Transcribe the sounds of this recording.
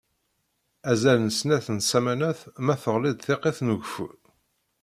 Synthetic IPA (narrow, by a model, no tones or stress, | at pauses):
æzælnəsnæθənsæmænæθmæθəʁlɪd̪θeqeθnəʝfṵɾ